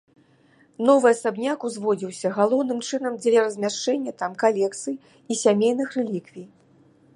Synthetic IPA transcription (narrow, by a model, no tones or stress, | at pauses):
nɔvɨɐsabnʲakuzvɔd͡zʲiwsʲɐɣalˠɔwnɨmt͡ʂɨn̪ɐmd͡zʲlʲɛɾɐzʲmʲaʂt͡ʂɛnʲːɐt̪amkalʲɛk̚t̪sɨj | isʲamʲejnɨxrɛlʲikvʲij